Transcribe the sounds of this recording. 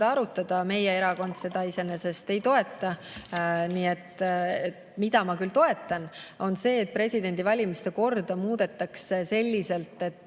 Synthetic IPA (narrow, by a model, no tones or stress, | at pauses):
ɑɑɾut̪ːˑɑd̪̥ɑme̞jee̞ɾɑko̞nd̪̥se̞d̪̥ɑise̞nese̞st̪e̞jt̪o̞e̞t̪ːˑɑ | niːe̞t̪ːet̪mid̪̥ɑmɑkylt̪o̞e̞t̪ːˑɑno̞nse̞ːt̪̚pre̞sʲid̪e̞nd̪ivɑlʲimist̪e̞ko̞rd̪ɑmuːd̪̥e̞t̪ːˑɑksese̞lʲːise̞lt̪ːˑe̞t̪ːˑ